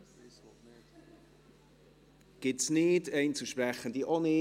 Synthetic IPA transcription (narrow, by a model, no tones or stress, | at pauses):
ɡ̥ɪtsnɪdɛɪnt͡suʃprɛχəndiʔonɪ